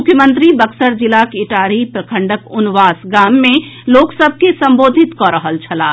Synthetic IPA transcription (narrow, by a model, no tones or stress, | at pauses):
ʊkʰjəmə̃nt̪ɾibəksəɾd͡ʒɪlakɪʈaːɾipɾəkʰə̃ɳɖəkʊnʋaːsɡaːmːẽloːksəb̚ʱkesə̃mboːd̪ʱɪt̪kɔɾəɦəlt͡ʃʰɐlaː